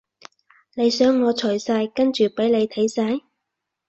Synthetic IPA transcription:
ne˨˧jsœː˨˥ŋːɔː˨˧t͡ʃʰɵ˨˩jsaː˧jkɐ˥nt͡ʃyː˨pe˨˥jle˨˧jt̪ʰɐ˨˥jsaː˧˥j

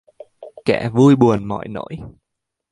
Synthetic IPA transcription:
kɛ˧˩vu˧jɓu˨˩ənmɔ̰˧˨jno̰˧˥j

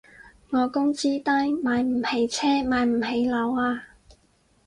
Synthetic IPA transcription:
ŋɔː˨˧kʊ˥ŋt͡siː˥t̪ɐ˥jmaː˨˧jm̩˨˩he˨˩jt͡sʰɛː˥maː˨˧jm̩˨˩he˨˧jlɐ˨˧waː˧

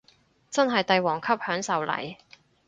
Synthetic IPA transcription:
t͡sɐ˥nɦɐ˨jt̪ɐ˨jwɔː˨˩ŋkʰɐ˥p̚hœː˨˥ŋsɐ˨wlɐ̰˨˩j

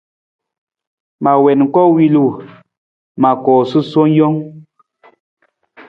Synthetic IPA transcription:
ma˨wɛ˨nŋ̩˨kɔ˦wi˦lu˦˨ | ma˨kɔː˨sɨ˦so˦n˦jɔ˦ŋ

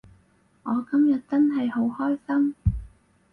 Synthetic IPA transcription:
ŋɔː˨˧kɐ˥mjɐ˨t̚t͡sɐ˥nɦɐ˨jho˨˥whɔː˥jsɐ˥m

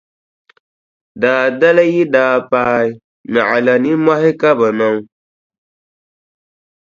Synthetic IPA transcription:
daː˨da˦la˦ji˦daː˨paː˦i˦ | ma˨ʔa˨la˨ni˦ma˦ɦɪ˦ka˦ba˨na˦ŋ˦

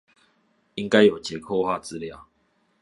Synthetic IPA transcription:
i˦ŋka˦ɪjo˨˩t͡ɕjɛ˨˧˦kʰo˥˧xwa˥˧t͡sɹ̩˦lja˥˨ʊ

